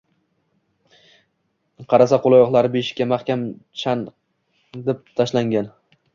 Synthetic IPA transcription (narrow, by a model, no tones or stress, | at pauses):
qʰɑɾasaqʰolˠajɒχlˠaɾbeʃkʲamaχkʲamt͡ʃʰan | d̪ep̚t̪ʰaʃlaŋɡʲan